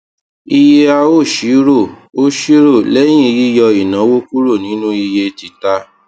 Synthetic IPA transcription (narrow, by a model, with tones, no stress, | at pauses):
i˧je˧a˧o˦˨ʃi˨˦ɾo˦˨o˦ʃi˦ɾo˦˨lɛ˦j̃ĩ˦˧ji˦jɔ˧i˨nã˨˦wo˦ku˦ɾo˦˨nĩ˨˦nũ˦i˧je˧ti˨˧ta˧˦